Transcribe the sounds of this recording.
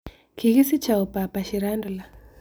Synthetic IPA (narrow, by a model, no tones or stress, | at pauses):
kiɣisit͡ʃaupapaʃiɾandula